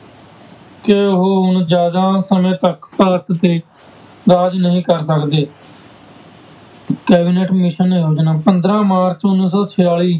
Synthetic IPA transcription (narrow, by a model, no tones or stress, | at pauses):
keʊɦoːɦʊnd͡ʒjaːd̪aːsəmẽːt̪əkpəəɾt̪ʰt̪eː | ɾaːd͡ʒnəɦĩːkəɾsəkd̪eː | kɛːbiːneʈmɪʃəneːɦoːd͡ʒnaːpənd̪ɾãːmaːɾt͡ʃʊnːɪs̬ɔːt͡ʃʰɪjaːɭiː